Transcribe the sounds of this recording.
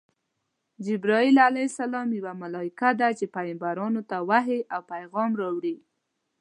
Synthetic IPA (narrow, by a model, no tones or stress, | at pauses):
d͡ʒɪbɾɑilalasalɑmjawamalɑɪkad̪at͡ʃepajɪmbaɾɑnot̪awaɦeʔawpajɣɑmɾɑwɽi